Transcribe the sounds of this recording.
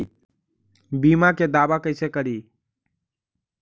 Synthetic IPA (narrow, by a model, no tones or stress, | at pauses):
bimaked̪abakəɪsekəɾi